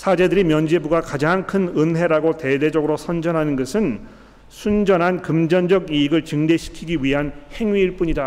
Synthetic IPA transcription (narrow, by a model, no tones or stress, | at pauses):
sʰad͡ʑe̞dɯɾimjʌnd͡ʑibuɡakad͡ʑaŋkʰɯnɯnɦe̞ɾaɡote̞ded͡ʑʌɡɯɾosʰʌnd͡ʑʌnɦanɯnɡʌsʰɯn | sʰund͡ʑʌnɦankɯmd͡ʑʌnd͡ʑʌɡiːɡɯɭt͡ɕɯŋdeɕʰi̥kʰiɡiɥiɦanhe̞ŋɥiːɭp͈uɲida